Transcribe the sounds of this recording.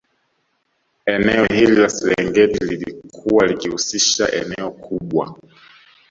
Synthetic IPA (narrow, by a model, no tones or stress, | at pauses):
ɛnɛɔhililasɛɾɛŋɡɛtililḭkʰuwalikihusiʃa̰ʔɛ̰nɛɔkʰuɓwa̰